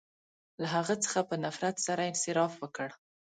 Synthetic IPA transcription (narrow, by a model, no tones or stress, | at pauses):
laɦaɣət͡sə̥xapənafɾat̪saɾaɪnsɪɾɑfwəkəɽ